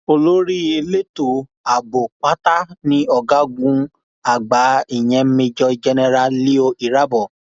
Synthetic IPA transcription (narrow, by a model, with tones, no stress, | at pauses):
o˧lo˦ɾi˦e˧le˦tu˨ | a˨bo˨k͡pa˦ta˦nĩ˦ɔ˧ɡa˦ɡũ˦ | a˨ɡ͡ba˨˦i˦˨j̃ɛ̃˧˦mĩ˧d͡ʒɔ˧i˧d͡ʒɛ˧nɛ˧ɾa˧li˦o˧i˨ɾa˦bɔ˨